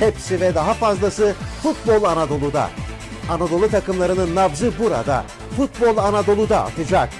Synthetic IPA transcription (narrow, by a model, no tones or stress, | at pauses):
hepsivɛd̪aɦafazlˠasɯfut̪̚bo̞lˠanad̪o̞lˠud̪a̰ | anad̪o̞lˠut̪ʰakɯmlˠaɾɯnɯnːavzɯbuɾa̰d̪a̰ | fut̪̚bo̞lˠanad̪o̞lˠud̪aa̰t̪ʰɯd͡ʒak̚